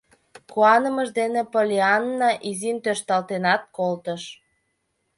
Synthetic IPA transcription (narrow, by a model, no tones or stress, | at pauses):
kuɑnəməʒd̪enĕpolʲeɑnːɑʔizint̪øʃt̪ɑlt̪enɑt̪̚kolt̪əʃ